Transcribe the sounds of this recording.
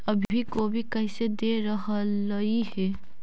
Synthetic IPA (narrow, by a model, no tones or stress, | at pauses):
əbʱikobʱikəɪsed̪eɾəɦələiɦɛː